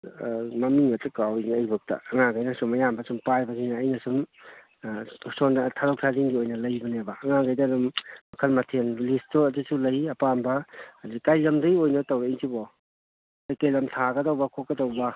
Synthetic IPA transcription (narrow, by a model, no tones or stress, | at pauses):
mɐmiŋɐtɐkawnɐjbɐk̚tɐ̰ɐŋaŋɡajnɐsumɐjambɐsumpajbɐsinaːjnɐsum | sondtʰaɾɔwk̚tʰaziŋɡiojnɐlɐjbɐnebɐːŋaɡajdɐːdummɐkʰɐlmɐtʰenlistotisulɐjɐpambɐadikajlɐmdɐɡiojnɐtɐwɾeiŋtʰibɔ | ajkajlɐmtʰaɡɐdɐwbɐkʰokɡɐdɐwbɐ